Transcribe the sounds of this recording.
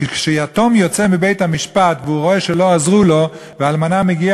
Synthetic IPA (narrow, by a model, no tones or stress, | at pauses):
ʃeat̪omjɔt͡sɛmibeɪthamiʃpatvɪuʁoɛʃɛloazʁulo | vɪalmanamɛɡia